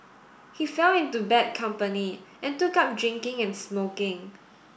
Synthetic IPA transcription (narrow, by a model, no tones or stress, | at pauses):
hifɛlɪ̃ntubɛt̚kʰãmpəniʔɛ̃ntukap̚dɹɪ̃ŋkɪ̃ŋɛ̃nsmokɪ̃ŋ